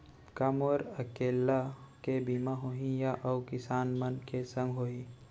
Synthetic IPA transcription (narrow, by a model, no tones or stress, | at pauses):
kəmoɾəkeːlːakebimaɦoɦĩjaʔəʊkɪsaːnmənkesə̃ŋɡɦoi